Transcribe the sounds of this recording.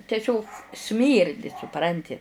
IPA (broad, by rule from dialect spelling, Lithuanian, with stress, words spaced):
tʲɛˈsʲoːk ˈsʲmʲiːrʲdʲɪ sʊˈprɐnʲtʲɪ